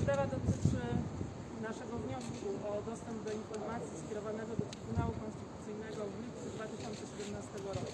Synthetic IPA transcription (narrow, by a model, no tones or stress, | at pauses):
d̪ɛvad̪ɔt̪ɘt͡ʂɘ | naʂɛɡɔvɲɔskuʔɔd̪ɔst̪ɛmb̚d̪ɔinfɔɾmat̪sʲjiskʲɛɾɔvanɛɡɔd̪ɔt̪ɾɘbunawukɔnst̪ɘt̪ut̪sɘjnɛɡɔvlʲipt̪sɛd̪vat̪ɘɕɔnt̪sɛɕɛd̪ɛmnast̪ɛɡɔɾɔku̥